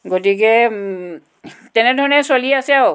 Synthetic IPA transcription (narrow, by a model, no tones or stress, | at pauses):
ɡotikɛ | tɛnɛdʱɔɹɔnɛsoliɛasɛaw